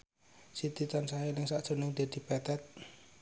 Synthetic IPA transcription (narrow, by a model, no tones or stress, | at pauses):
sit̪it̪ansaɦenɪŋsaʔd̥ʒ̥o̤nɪŋd̪̥e̤d̪̥i̤pɛt̪ɛt̪̚